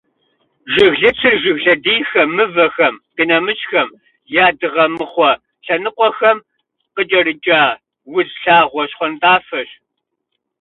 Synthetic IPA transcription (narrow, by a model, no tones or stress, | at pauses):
ʒɪɣɮɨt͡sʰɨrʒɪɣɮɐdiːxɐmːɨvɐxɐmqinɐmɨɕʼxɐm | jaːdɨʁɐmɨχʷɔ | ɬɐnɨqʷɔxɐm | qət͡ʃʼɐɾɨt͡ʃʼaː | wʊzɬaːʁʷɔɕχʷɔntʼaːfɐɕ